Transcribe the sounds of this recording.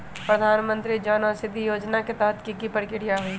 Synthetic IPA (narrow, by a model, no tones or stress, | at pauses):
pɾəd̪ʱaːnmə̃nt̪ɾid͡ʒɔːnɔɾsɪd̪ʱːijoːd͡ʒnaket̪aɦət̪kikipəɾkɪɽijaɦoi